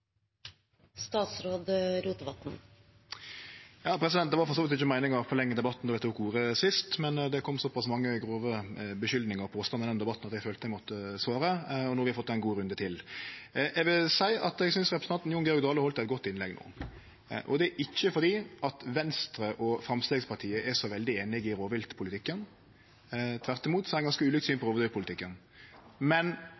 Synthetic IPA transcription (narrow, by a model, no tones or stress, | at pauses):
st̪ɑːt̪sɾoːd̪əɾuːt̪ʋɑt̪n̩ | jɑːpʰɾɛs̬ɪd̪ɛnt̪̚d̪ɛʋɑɾfɔst̪ɔʋɪt̪sɪçːəmæɪnɪŋɑʋpʰɔlɛŋːəd̪ɛbɑt̪ːn̩d̪ɛʋɛt̪ːɛhʊkuːɾəsɪst̪mɛnd̪ɛkʰɔmːsɔpɑsmɑŋːəɡɾoːʋəbəʃʏld̪nɪŋəɾpʰoːst̪ɑnɛnːɔmd̪ɛbɑt̪ːnɑt̪d̪æɪføːlt̪əæɪmɔt̪ːəsʋɑːɾəɔnuːʋɪɑfɔt̪ʰːɑːɛnɡuːɾʉnd̪ət̪ʰɪl | ɛɡʋɪlsæɪɑt̪ɛɡsʏnsɾɛpɾə̥ɑnnjʊːnɡɛɔɾɡd̪ɑːləhɔlt̪ːɛt̪̚ɡɔt̪ːɪnlɛɡno̰ː | ʔɔ̰d̪ɛæʔɪçːəfɔɾd̪iːʔɑt̪ʋɛnst̪ɾəʔɔfɾɑmst̪eːɡspʰɑʁʈʰiːəʔɛʂɔʋɛld̪ɪeːnɪɡɪɾoːʋɪlt̪pʰʊlɪt̪ʰɪkːən | t̪ʰʋæɾt̪ɪmuːt̪sɔɛɾɛŋɡɑnskəʉːlʏksiːnpʰɔɾoːʋəd̪œʏpʰʊlɪt̪ɪkːən | mɛn